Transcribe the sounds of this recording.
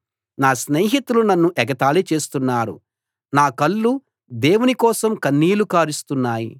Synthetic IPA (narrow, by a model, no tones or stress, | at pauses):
naːsneːɦit̪ulunɐnːuʔɛɡɐt̪aːlit͡ʃe̞ːst̪unːaːɾṵ | naːkɐlːu | d̪eːwunikɔːsɐmkɐnːiːlukaːɾist̪unːaːjḭ